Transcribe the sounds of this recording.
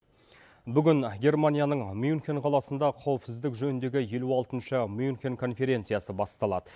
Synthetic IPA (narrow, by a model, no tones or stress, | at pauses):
bʏɡʲɪnɡʲe̞rmanʲijanəɴmjunkʲenqʰɑlˠɑsənd̪ɑqʰɑwəpsɪzd̪ɪkʒɵnɪnd̪e̞ɡʲɪje̞luɑlˠt̪ənʃəmjunkʲenkʰo̞nfe̞ɾʲe̞nt̪sɨjasəbɑst̪ɑlˠɑ̰d̪ə